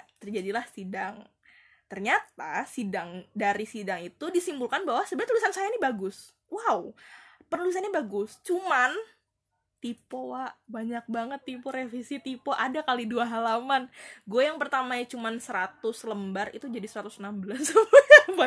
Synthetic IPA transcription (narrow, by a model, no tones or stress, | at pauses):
t̪ərd͡ʒadilahsidaŋ | t̪ərɲat̪asidaŋdaɾisidaŋit̪udisimbulkanbaɦwasəbat̪ulisansajanibaɡʊs | wawpənulis̬anɲabaɡʊst͡ʃuman | t̪ipoaʔbaɲak̚baŋət̪ːipoɾefisit̪ipoʔadakaliduaɦalamanɡuɛjaŋpərt̪amaɲat͡ʃumansəɾat̪ʊsləmbarit̪ud͡ʒadisəɾat̪ʊsənambəlasba